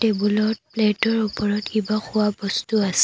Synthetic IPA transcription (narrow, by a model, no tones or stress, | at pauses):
tebulɔt̚pletɔɹupɔɹɔtibaxʊwabɔstuasɛ̥